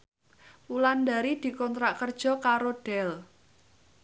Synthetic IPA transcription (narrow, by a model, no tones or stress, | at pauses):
uland̪aɾid̪̥i̤kɔnt̪ɾaʔkərd̥ʒ̥ɔ̤kaɾoɖ̥ɛl